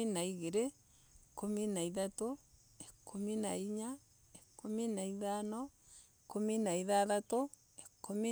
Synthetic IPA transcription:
inaiɣeɾe | kominaiðato | ekʰominaiɲa | ekominaiðanɔekominaiðaðato | ekomi

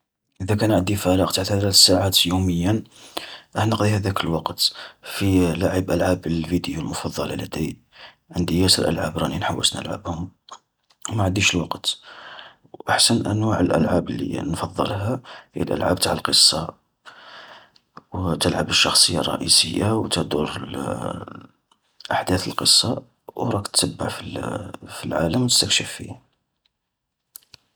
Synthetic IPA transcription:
ʔəd̪ækænʕəd̪ifæɾəqt̪aʕt̪hælætsaʕat̪juməjːən | ʔəħnəqd̪ihæd̪ækəlwɑqt̪filaʕəbʔəlʕabəlfid̪julmʊfɑd̪ˤːɑ̰ləlæd̪i | ʕənd̪ijæsəɾʔə̰lʕa̰bɾˤɑninħawːə̰snə̰lʕa̰bhʊm | wmaʕəd̪iʃəlwɑqt̪ | ʔaħsənʔə̰nwaʕəlʔə̰lʕabəlːḭnfɑðˤːə̰lɦæhḭjːə̰lʔə̰lʕa̰b̚t̪aʕəlqəsˤːɑ | wt̪əlʕabəʃːɑxsˤəjːɑ̰rˤːɑ̰ʔisəjːawt̪æd̪uɾl | ʔaħd̪æθəlqəsˤːɑ | wɾˤɑkt̪səbːa̰ʕfilfilʕa̰ləmwt̪əst̪əkʃəfːḭh

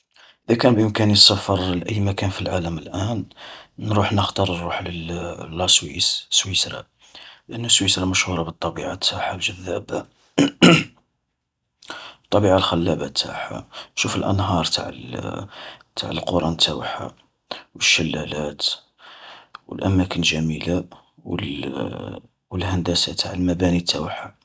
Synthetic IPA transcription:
ʔəd̪ækænbʔəmkænjsæfəɾˤlʔəjːmækænfilʕaləməlʔænnɾuħnəxt̪ɑɾˤuħləllːɑswḭsswisɾˤɑ̰ | lʔənːuswisɾˤɑməʃhuɾˤɑbət̪ˤːɑbiʕat̪ʰːaħalʒəðːæba | t̪ˤːɑbiʕalxælːæbæt̪ʰːa̰ħa̰ʃufəlʔə̰nɦɑɾˤt̪a̰ʕ | t̪ʰa̰ʕəlqoɾˤɑnt̪ʰːæwħa̰ | wəʃːəlːælæt̪ | wə̰lʔæmækənʒæmila | wə | wəlhænd̪æsat̪ʰaʕəlmæbænit̪ʰːæwħa

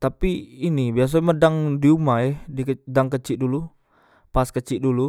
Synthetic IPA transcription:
t̪apiːnibias̬amədaŋdiumaɛhdikdaŋkət͡ʃiʔdulu | paskət͡ʃiʔdulu

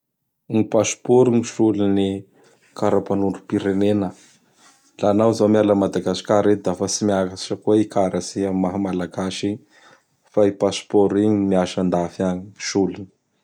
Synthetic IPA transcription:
ɲipaspoɾuŋiʃulini | kaɾapanuɳɖ͡ʐupiɾenenə | lanawzawmialəmad̪aɡasi̥kaɾet̪d̪afəsimiakai̥ʈ͡ʂəkueikaɾəsiammaɦamalaɡaʃiɲi | faipaspoɾiɲimiaʃand̪afiaɲiʃulini̥

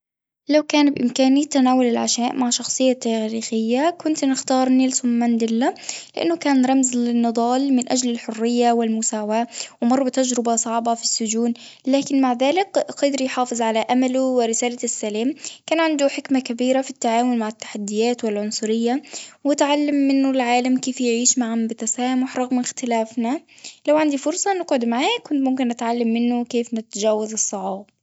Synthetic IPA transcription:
lawkaːnbʔɪ̰mkaːnit̪anaːwʊlɪlʕaʃaːʔmaʕʃɑxsˤɨjːat̪ːaːɾiːxɪjːakʊnt̪nɪxt̪ɑːɾˤnɪlsʊmːand̪ɪlːalɪʔɪ̰nːʊkaːnɾˤɑmzlɪnːɨd̪ˤɑːlmɪnʔad͡ʒlɪlħʊrːɪjːawɪlmʊsaːwaːwɪmɑrˤːbɪt̪ad͡ʒɾɪbasˤɑʕbɑfisːʊd͡ʒuːn | laːkɪnmaʕðaːlɪkqɑd̪ɾjħɑːfɨzˤʕalaʔamaluwɪɾɪsaːlasːalaːmkaːnʕand̪uħɪkmakabiːɾafit̪ːaʕaːmʊlmaʕɪt̪ːḁħad̪ːɪjaːt̪wɪlʕʊnsˤʊɾɪjːawɪt̪ʕalːamːɪnːʊlʕaːlamkeːfjɪʕiːʃmaʕambɪt̪asaːmʊħɾˤɑɣmɪxt̪ɪlaːfnalawʕand̪ifʊɾsˤɑnɪɡʕʊd̪maʕaːkʊnt̪mʊmkɪnʔat̪ʕalːamːɪnːʊkeːfnɪt̪ʒaːwaðɨsˤːɑʕɑːb

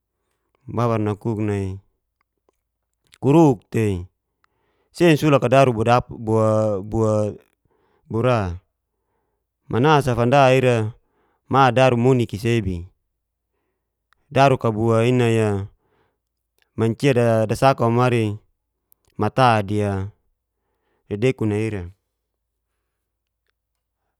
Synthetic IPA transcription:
baβarnakuk̚nai | kuɾuk̚t̪ei | sensulakadaɾuabuabua | buɾa | mʔanas̬afandaiɾa | madaɾumunikisebi | daɾukabuainaja | maɲt͡ʃiadadasakamaɾi | mat̪adia | didekunaiɾa

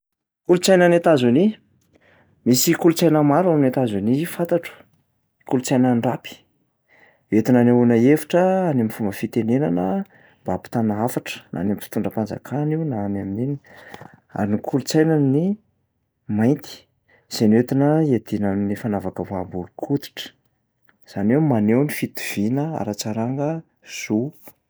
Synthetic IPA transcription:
kulut͡sajnanet̪azuni | misikulut͡sajnəmaɾuaminet̪azunifant̪aʈ͡ʂu̥ | kulut͡sajnaɳɖ͡ʐapi̥ | wet̪inanaunəefi̥ʈ͡ʂəanemifumbəfit̪enenanə | mbapi̥t̪anaafaʈ͡ʂə̥nʔa̰namfi̥t̪uɳɖ͡ʐəpand͡za̰kʰaniwnaamaminini̥ | a̰ɾinikʰulut͡sajnanni | majnt̪i̥ | z̥enwet̪inəed̪inaminifanavakəvambulukʰut̪i̥ʈ͡ʂə̥ | z̥anewmanewnifit̪u̥v̥inəa̰ɾat͡saɾaŋɡə | z̥u

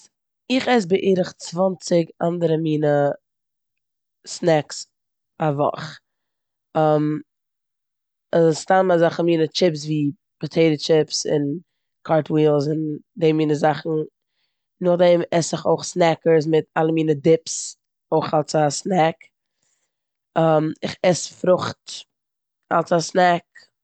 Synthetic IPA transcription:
ɪχɛs̬bɪʔiːɾəχt͡svɔnt͡sɪɡandəɾəmiːnə | snɛks | avɔ̰χ | əm | azstamazaχəmiːnət͡ʃɪpsviː | pɔtʰeɪdət͡ʃɪpsɪ̰n | kʰaɾtwiːlˠs̬ɪndeːmiːnəzaχn̩ | nʊχdɛmɛsɪχoɪχsnɛkəɾs̬mɪtalˠəmiːnədɪps | oɪχalˠsasnɛk | əmɪχɛsfɾʊχt | a̰lˠsasnɛk̚

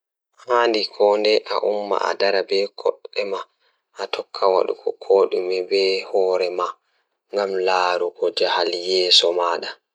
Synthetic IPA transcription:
haːndikʰɔːndɛʔaʔumːa̰a̰daɾabɛkʰɔɗːɛma | ʔatʰɔkʰːawa̰ɗṵkʰɔkʰoːɗumɛbɛhɔːɾɛma | ŋɡamlaːɾuɡɔd͡ʒahaljɛːsɔmaːɗa

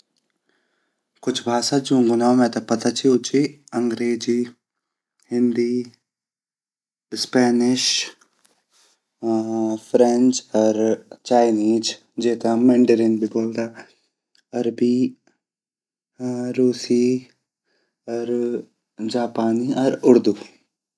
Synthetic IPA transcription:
kʊt͡ʃʰbʱaːsaːd͡ʒũːŋɡʊnaːmɛ̃ːt̪ɐpət̪aːt͡ʃiot͡ʃiːəŋɡɾeːd͡ʒiː | hɪ̃nd̪iː | spɛːnɪʃ | pʰɾɛ̃nt͡ʃɔɾt͡ʃaːɪniːd͡ʒ | d͡ʒeːt̪ãːmɛ̃ːɳɖəɾɪnbʱiːboːld̪aː | əɾbiː | ɾuːsiː | ɔɾ | d͡ʒaːpaːniːɔɾʊɾd̪uː

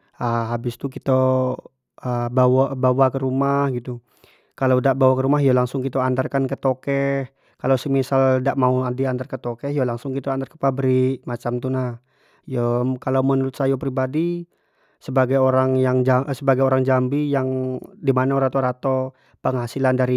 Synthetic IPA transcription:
əhabɪst̪ukit̪o | əbawabawakəɾumahɡit̪u | kalawdaʔbawakəɾumaɦjalaŋsʊŋkit̪oand̪arkankət̪okɛh | kalasəmisaldaʔmauadiand̪arkət̪okɛhjalaŋsʊŋkit̪and̪arkə̥pabɾiʔmat͡ʃamt̪unah | jɔmkalamənuɾʊt̪sajop̬ɾibadi | səbaɡajoɾaŋjaŋd͡ʒasəbaɡajoɾaŋd͡ʒambijaŋdimanaoɾat̪oɾat̪o | pəŋhasilandaɾi

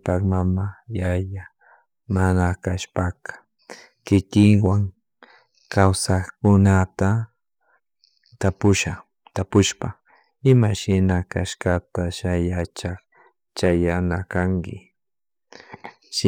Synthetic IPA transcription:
pakmamajaja | manakaʃpakḁ | kɪkɪŋwaŋ | kawsaxkʊnat̪a | t̪apʊʃa | t̪apʊʃpa | ɪmaʃɪnakaʃkat̪aʃajat͡ʃak | t͡ʃajanakaŋkɪ̰ | ʃ

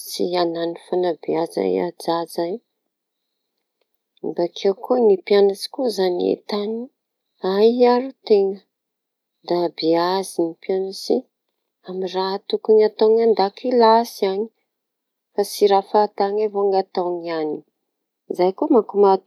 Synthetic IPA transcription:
siananifanabiaza̰a̰d͡zazaji | mbakʰewkunipjanat͡si̥kuzaniḛt̪ani | aaɾut̪eŋə | d̪abiazinipianasi | amirat̪ukuŋat̪oŋand̪akilasiaɲi̥ | fasiɾafat̪aŋavoŋat̪aŋiani | izajkumakumat̪

